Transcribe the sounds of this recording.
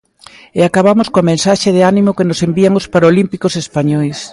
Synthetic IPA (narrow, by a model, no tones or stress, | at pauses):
eakaβamoskoamẽnsaʃeðɪanimokenosembiaŋospaɾolimpikosespaɲɔjs